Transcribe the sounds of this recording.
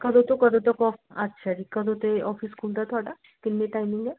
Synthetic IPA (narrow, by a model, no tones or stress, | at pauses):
kɐd̪ot̪okɐd̪ot̪ɐkɔːfɐtːʃʰad͡ʒikɐd̪ot̪eɔːfiskʰuːld̪at̪ʰoaːɖa | kɪlmiʈaːɪmɪ̃ŋɡɛ